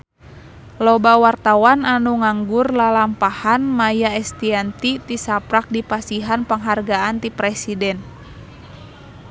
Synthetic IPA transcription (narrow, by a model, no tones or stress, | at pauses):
lɔbawart̪awananuŋaŋɡʊrlalampahanmajaɛst̪iant̪it̪isapɾak̚dipasiɦanpəŋɦarɡaant̪ipɾɛsidɛn